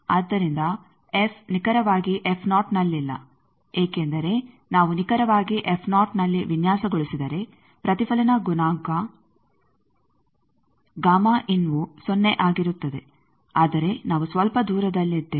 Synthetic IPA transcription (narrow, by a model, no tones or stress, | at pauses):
aːd̪ːɐɾind̪ɐ | efʰnikɐɾɐʋaːɡiʔepʰnaːʈnɐlːilːɐ̰ | eːke̞nd̪ɐɾe̞ | naːʋunikɐɾɐʋaːɡiʔepʰnaːʈnɐlːiʋinjaːsɐɡoɭisid̪ɐɾe̞ | pɾɐt̪ipʰɐlɐnɐɡunaːŋkɐ | ɡaːmɐʔinʋusonːe̞ʔaːɡiɾut̪ːɐd̪e̞ | aːd̪ɐɾe̞naːʋusʋɐlpɐd̪uːɾɐd̪ɐlːid̪ːe